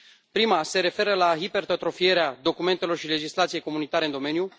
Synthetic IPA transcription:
pɾimase̞ɾe̞fe̞ɾəlaɦipe̞rt̪ot̪ɾo̞fije̞ɾead̪o̞kume̞nt̪elo̞rʃile̞d͡ʒislat̪sije̞jko̞munit̪aɾe̞ɨnd̪o̞me̞nju

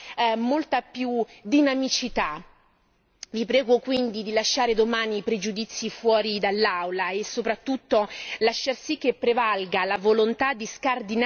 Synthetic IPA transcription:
molt̪apjud̪inamit͡ʃit̪a | vipɾɛːɡokwind̪id̪ilaʃːaːɾed̪omaːnipɾed͡ʒud̪it̪sːifwɔːɾid̪alːawlaesːopɾat̪ːut̪ːolaʃːarsikːepːɾevalɡalavolont̪ad̪ːiskard̪in

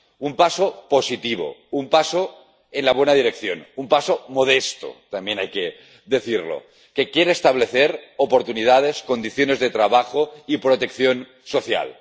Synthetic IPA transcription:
umpasopo̞sit̪iβ̞o̰umpaso | enlaβwe̞nað̞iɾekθjo̰numpasomoð̞est̪o̰t̪ambje̞najke | ðe̞θiɾlo̰ | ke̞kjeɾeːst̪aβ̞le̞θeɾopoɾt̪unið̞að̞esko̞nd̪iθjo̞ne̞zðet̪ɾaβaxoipɾot̪e̞kθjo̞n | soθja̰l

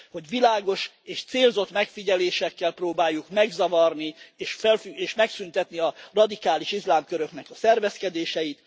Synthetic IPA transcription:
ho̞ɟʋilaːɡo̞ʃ | eːʃt̪seːlzo̞t̪mɛkfiɟɛleːʃɛkːɛlproːbaːjːukmɛɡzɒvɒrnieːʃfɛlfyeːʃmɛksynt̪ɛt̪niɒrɒd̪ikaːliʃizlaːmkøɾø̞knɛkɒsɛrvɛskɛd̪eːʃɛjit̪

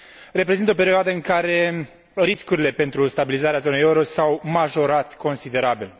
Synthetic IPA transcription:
ɾe̞pɾezint̪əope̞ɾioad̪əɨŋkaɾe̞ | ɾiskuɾile̞pe̞nt̪ɾust̪abilizaɾeazo̞nejeuɾosawmaʒo̞ɾat̪ko̞nsid̪e̞ɾabil

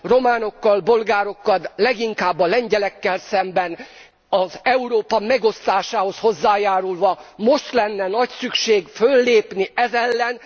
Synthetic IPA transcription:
ro̞maːno̞kːɒlbo̞lɡaːɾo̞kːɒt̪lɛɡiŋkaːbːɒlɛɲɟɛlɛkːɛlsɛmbɛn | ɒzɛuɾoːpɒmɛɡo̞st̪aːʃaːho̞sho̞zːaːjaːɾulvɒmo̞ʃt̪lɛnːɛnɒcsykʃeːɡfølːeːpniʔɛzɛlːɛn

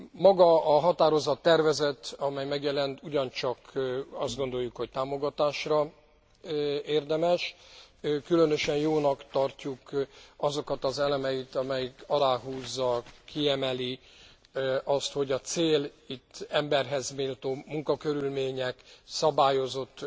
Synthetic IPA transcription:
mɒɡɒɒɦɒt̪aːɾo̞zɒt̪ːɛrvɛzɛt̪ɒmɛjmɛɡjɛlɛnt̪uɟɒnt͡ʃɒkɒzd̪ɡo̞nd̪o̞jukho̞c̚t̪aːmo̞ɡɒt̪aːʃrɒ | eːrd̪ɛmɛʃ | kylø̞nø̞ʃɛnjoːnɒkt̪ɒrcukɒzo̞kɒt̪ɒzɛlɛmɛjit̪ɒmɛjikɒlaːɦuːzːɒkiɛmɛli | ɒst̪ho̞ɟɒt̪seːlit̪ːɛmbɛrɦɛzmeːlt̪oːmuŋkɒkø̞ɾylmeːɲɛksɒbaːjo̞zo̞t̪ː

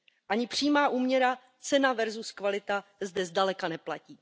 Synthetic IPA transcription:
ʔaɲɪpr̥iːmaːʔuːmɲɛɾa | t͡sɛnavɛɾzuskvalɪt̪azdɛzdalɛkanɛplaciː

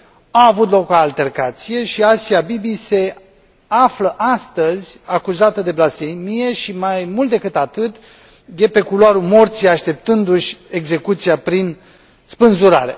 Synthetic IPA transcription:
aːvut̪lo̞koalt̪e̞rkat̪sije̞ʃiasiabibise̞ | afləʔast̪əzʲakuzat̪əd̪e̞blasfemije̞ʃimajmult̪d̪e̞kɨt̪at̪ɨt̪ | je̞pe̞kuloaɾumo̞rt̪sijaʃt̪e̞p̚t̪ɨnd̪uʃʲe̞ɡze̞kut̪sijapɾin | spɨnzuɾa̰ɾe̞̰

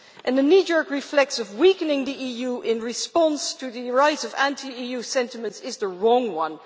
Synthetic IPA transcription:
ʔɨ̃nðɨnjid͡ʒɔɹkɹɪflɛk̚tsʌvwikɨnɪ̃ŋðiijuʔɪ̃nɹɪspɑ̃nstʰɨðɨɹaɪtsʌvæ̃ntʰiijusɛ̃ntɪmə̃ntsɪzðəɹɔ̃ŋwʌ̃n

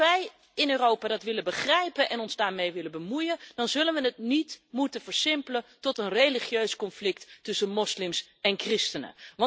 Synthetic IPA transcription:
ʋɛj | ɪnøːrowpaːdɑtʋɪləbəχrɛjpənʔɛnɔnzdaːɹmejʋɪlənbəmujəndɑnzɵlənʋənətnitmutəvəɹsɪmpələntɔtənrejliχjøɥskɔnflɪkttɵsənmɔslɪms | ɛnkrɪstənə̰ʋɑ

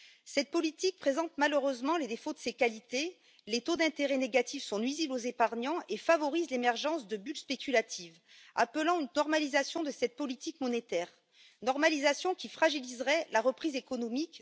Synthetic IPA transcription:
sɛt̪̚pɔlit̪ik̚pχezɑ̃t̪maløʁøzmɑ̃led̪efod̪əsekalit̪e | let̪od̪ɛ̃t̪eʁɛneɡat̪ifsɔ̃nɥiziblozepaʁɲɑ̃ʔefavɔʁizlemɛʁʒɑ̃sd̪əbylspekʲylat̪ʰiv | a̰pəlɑ̃ynːɔʁmalizasjɔ̃d̪əsɛt̪̚pɔlit̪ikmɔnet̪ɛʁ | nɔʁmalizasjɔ̃kʲifχaʒilizʁɛlaʁəpχizekɔnɔmik

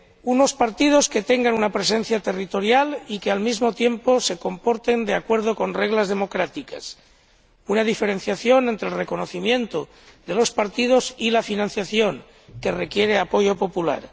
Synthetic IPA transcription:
uno̞spaɾt̪ið̞o̞ske̞t̪e̞ŋɡanunapɾe̞se̞n̟θjat̪e̞rit̪o̞ɾjalikealmizmo̞t̪je̞mpo̞se̞ko̞mpo̞ɾt̪e̞nd̪e̞akwe̞ɾð̞o̞ko̞nre̞ɣ̞lazðe̞mo̞kɾat̪ikas | unaðife̞ɾe̞n̟θjaθjo̞ne̞nt̪ɾe̞lre̞ko̞no̞θimjẽ̞nt̪o | d̪e̞lo̞spaɾt̪ið̞o̞silafinãn̟θjaθjo̞ŋ | ke̞re̞kje̞ɾe̞apo̞ʝopo̞pula̰ɾ

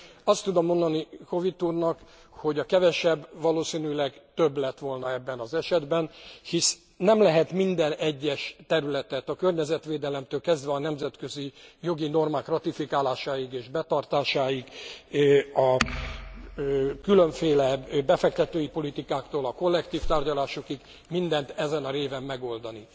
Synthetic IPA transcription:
ɒst̪ːud̪o̞mːo̞nd̪ɒniko̞vit̪ːuːrnɒk | ho̞ɟɒkɛvɛʃɛbːʋɒloːsinylɛɡt̪øblɛt̪ʋo̞lnɒɛbːɛnɒzɛʃɛd̪bɛnhis | nɛmlɛɦɛt̪mind̪ɛnɛɟːɛʃt̪ɛɾylɛt̪ɛt̪ɒkørɲɛzɛt̪ʋeːd̪ɛlɛmt̪øːlkɛzd̪ʋɛɒnɛmzɛt̪kø̞zijo̞ɡino̞rmaːkrɒt̪ifikaːlaːʃaːjiɡeːʒbɛt̪ɒrt̪aːʃaːiɡ | ɒ | kylø̞ɱfeːlɛbɛfɛk̚t̪ɛt̪øːjipolit̪ikaːkt̪oːlɒko̞lːɛkt̪iːft̪aːrɟɒlaːʃokiɡ | mind̪ɛnt̪ɛzɛnɒɾeːvɛmːɛɡo̞ld̪ɒni

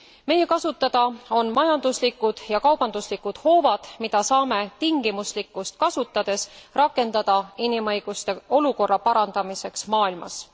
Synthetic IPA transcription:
me̞je̞kɑsut̪ːˑɑd̪̥ɑo̞nmɑjɑnd̪̥uslikːˑud̪̥jɑkɑwb̥ɑnd̪uslikːˑud̪̥ho̞ːvɑd̪̥mid̪̥ɑsɑːme̞t̪iŋɡ̥imuslikːˑust̪̚kɑsut̪ːˑɑd̪̥e̞srɑkːˑe̞nd̪̥ɑd̪̥ɑinimɤ̞jɡ̥ust̪e̞o̞luko̞rːɑpɑɾɑnd̪̥ɑmise̞ksmɑːilmɑ̰s

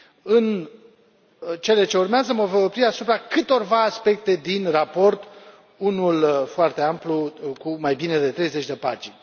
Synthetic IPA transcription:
ɨn | t͡ʃe̞le̞t͡ʃe̞urmeazəməvəopɾiasupɾakɨt̪o̞rvaːspe̞k̚t̪e̞d̪inrapo̞rt̪ | unulfoart̪e̞amplukumajbine̞d̪e̞t̪ɾe̞jze̞t͡ʃʲd̪e̞pa̰t͡ʃi

